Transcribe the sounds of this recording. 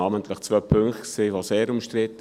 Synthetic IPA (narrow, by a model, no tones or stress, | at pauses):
ɑːmənt̪ləχt͡svœpʰʏŋkχtksiːʋoseːɾʊmʃtɾɪt̪ːə